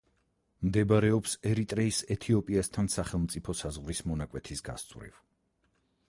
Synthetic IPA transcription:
md̪ɛbaɾɛɔpsɛɾit̪ʼɾɛisɛt̪ʰiɔpʼiast̪ʰansaχɛlˠmt̪sʼipʰɔsazʁɾismɔnakʼwɛt̪ʰisɡa̰st̪sʼvɾḭv

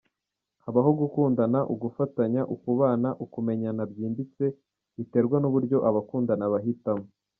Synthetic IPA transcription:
haβaɦo̞ɡukuːndanaʔuɡufataɲaʔukuβaːnaʔukume̞ɲanabjiːnbit͡se̞ | βite̞ːɾɡwanuβuɾɟo̞ʔaβakuːndanaβaɦitamo

